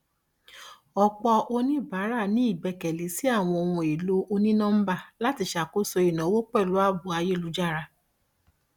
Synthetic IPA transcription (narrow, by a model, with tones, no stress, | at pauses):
ɔ˧k͡pɔ˧ʔo˧nĩ˦ba˨˦ɾa˦˨nĩ˦i˦˨bɛ˧˨kɛ˨li˨˦si˦a˦˨w̃ɔ̃˧o˧wũ˧e˨lo˨˦ʔo˧nĩ˦nã˦m̩˦ba˦˨la˦ti˧ʃa˨ko˦so˧i˨nã˨˦wo˦k͡pɛ˦˨lu˨˦a˦bu˨a˧je˦˨lu˨˦d͡ʒa˦˨ɾa˧